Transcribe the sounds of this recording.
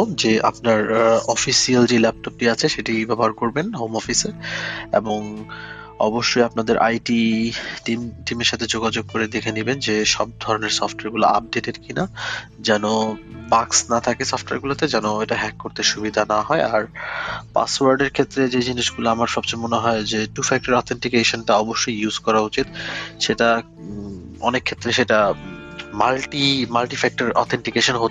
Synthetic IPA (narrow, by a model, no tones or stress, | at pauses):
d͡ʑeapnaɾɔfisiald͡ʑelɛp̚ʈɔp̚ʈiat͡ɕʰeʃeʈibabaɾkoɾbenɦowmɔfiseɾḛboŋ | ɔ̰boʃːojapnad̪eɾʔa̰jʈiʈimʈimeɾʃat̪ʰed͡ʑoɡad͡ʑoɡ̚koɾed̪ekʰenibend͡ʑeʃɔb̚d̪ʱɔɾoneɾsɔfʈoaɾɡula̰ap̚ɖeʈeɾkinad͡ʑɛnobaksnat̪ʰakesɔfʈoea̰ɾɡulat̪ed͡ʑɛnoeʈaɦɛkːoɾt̪eʃubid̪ʱanaɦɔeaɾpa̰swaɾɖeɾkʰet̪ːɾed͡ʑed͡ʑiniʃɡuloamaɾʃɔb̚t͡ɕemoneɦɔed͡ʑeʈufɛk̚ʈoɾɔt̪ʰeɳʈikeʃonʈaɔboʃːojuzkɔɾaut͡ɕit̪ʃeʈa | ɔ̰nekʰːet̪ːɾeʃeʈa | malʈimalʈifɛk̚ʈaɾɔ̰t̪ʰeɳʈikeʃonɦo